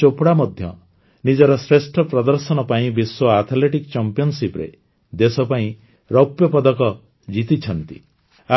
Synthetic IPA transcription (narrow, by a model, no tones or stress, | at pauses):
opɽamɔd̪ʱjɔ̰ | nid͡ʒɔɾɔsɾesʈʰɔpɾɔd̪ɔɾsɔnɔpaĩbiswoaɾt̪ʰaleʈikt͡ʃɔmpijɔnsipɾḛ | d̪esɔpaĩ | ɾɔpjɔpɔd̪ɔkɔ | d͡ʒit̪it͡ʃʰɔnt̪i | a